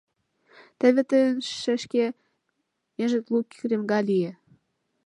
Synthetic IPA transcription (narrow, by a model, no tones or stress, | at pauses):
t̪ə̆βĕt̪ənʃɘ̆ʃke | meʒɘ̆t̪lukʲremɡɑlijĕ